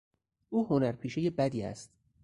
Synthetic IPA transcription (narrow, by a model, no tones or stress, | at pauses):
ʔuːhonæɾpʰiːʃejebæd̪iːæ̰st̪̚